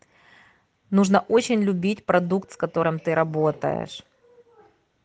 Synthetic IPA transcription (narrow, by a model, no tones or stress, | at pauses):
nuʐnɐʔo̞t͡ɕɪnʲlʲʊbʲitʲpɾɐd̪ukt̪skɐt̪o̞ɾɨmt̪ɨɾɐbot̪ə̰jɪ̰ʂ